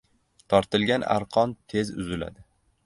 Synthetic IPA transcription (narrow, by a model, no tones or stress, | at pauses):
t̪ʰɒɾt̪ʰɪlɡʲana̰ɾqʰɒnt̪ʰe̞zʊzɪla̰d̪ɪ